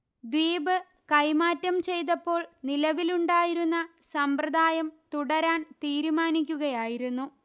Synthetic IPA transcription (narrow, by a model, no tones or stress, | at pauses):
d̪ʋiːbɨ | kɐjmaːtːɐmt͡ɕe̞jt̪̬ɐpːo̞ːɭnilɐʋiluɳɖaːjiɾunːɐ | sɐmpɾɐd̪ʱaːjɐmt̪uɽɐɾaːnt̪iːɾumaːnik̬ʲːuɣɐjaːjiɾunːu